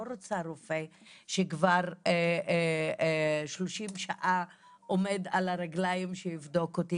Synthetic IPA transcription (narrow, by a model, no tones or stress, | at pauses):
oɾot͡saɾofe | ʃekvaʁ | ʃloʃimʃaʔa | ʔomed̪alaɾaɡlajimʃejivd̪okot̪i